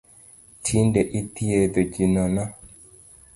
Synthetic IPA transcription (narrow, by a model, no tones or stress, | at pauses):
tʰindeʔitiedoɟinɔna